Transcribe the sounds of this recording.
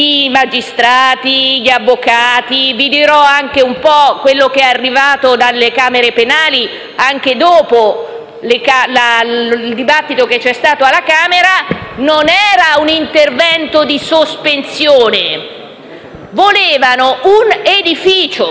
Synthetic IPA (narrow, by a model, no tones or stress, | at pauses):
imad͡ʒist̪ɾaːt̪iʎavːokaːt̪ivid̪iɾɔaŋk̟eumpɔkwelːokeɛarːivaːt̪od̪alekaːmeɾepenaːli | aŋk̟ed̪oːpo | lekalald̪ibat̪ːit̪oket͡ʃːɛst̪aːt̪oalːakaːmeɾanonɛːɾaunint̪ervɛnt̪od̪isospensjoːne | voleːvanouned̪ifiːt͡ʃo